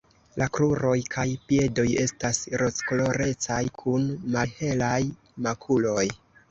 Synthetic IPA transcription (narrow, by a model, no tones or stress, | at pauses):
lʔakɾuɾo̞jkʰajpie̞do̞je̞̰stasɾo̞skolo̞ɾe̞t͡sajkʰunmahe̞laj | makʰulo̞j